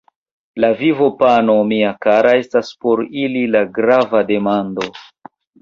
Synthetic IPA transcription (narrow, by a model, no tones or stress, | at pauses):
lavivo̞pano̞miakaɾae̞staspo̞ɾililaɡɾavade̞mando̞